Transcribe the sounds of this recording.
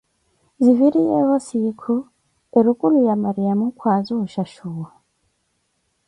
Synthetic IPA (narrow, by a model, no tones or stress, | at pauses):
ziviɾijɛ̰hosikʰu | eɾukʼulujamaɾijamukʰwazuʃaʃuwa